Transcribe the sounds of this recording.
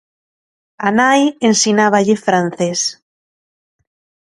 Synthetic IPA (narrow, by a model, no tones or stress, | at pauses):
anajensinaβaʎefɾan̟θes